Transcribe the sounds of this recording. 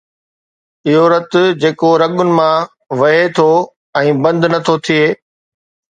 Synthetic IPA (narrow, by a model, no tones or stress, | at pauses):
ɪɦoɾɐt̪ʊd͡ʑeːkoɾɐɠʊnɪ̆mã | ʋɐɦet̪ʰo | ɛ̃ːbɐ̃nd̪nɐt̪ʰot̪ʰieː